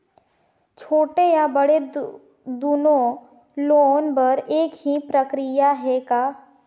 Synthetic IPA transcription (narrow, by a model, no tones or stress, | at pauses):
t͡ʃʰoːʈejabəɽe | d̪uːnõ | loːnbɐɾeːkɦipɾəkɾɪjaɦɛkaː